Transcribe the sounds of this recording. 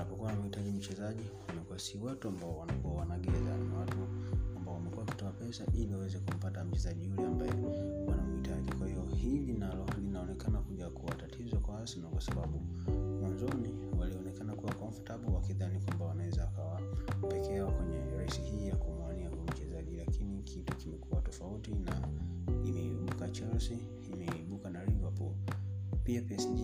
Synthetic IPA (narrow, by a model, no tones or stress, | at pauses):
napɔkuwanawahitaʄim̩t͡ʃɛzaʄiwamɛkuasiwatuambaɔwanakuwawanaɡɛzawatuambaɔwamɛkuwaki̥tɔapɛsa̰ʔiliwawɛzɛkum̩patam̩t͡ʃɛzaʄijulɛambajɛwanamhitʰaʄikwahiɔhilinalɔlinaɔnɛkanakuʄakuwatatʰizɔkwawasinakwasaɓaɓu | manzɔniwaliɔnɛkanakuwakwaam̩futaɓɔwakiðanikwambawanawɛzaːkawapɛkɛakwɛɲɛɾaisihiːjakumwaniauɛm̩t͡ʃɛzaʄilakinikʰitukimɛkuwatɔfautina̰imɛiɓukat͡ʃalsiː | mɛiɓukanaɾivapṵlpiapiɛsi